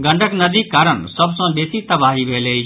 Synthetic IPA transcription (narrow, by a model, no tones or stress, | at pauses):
ɡə̃ɳɖʱəknəd̪ikaːɾəɳsəbsə̃beːsit̪ɐbaɦibʱele